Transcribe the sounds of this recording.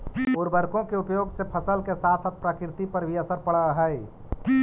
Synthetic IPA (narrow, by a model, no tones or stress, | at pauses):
oːɾbəɾkõkeupjoːɡsepʰəsəlkesat̪ʰsaːt̪̚pɾakɾt̪ipəɾbʱiəsəɾpəɽəɦəj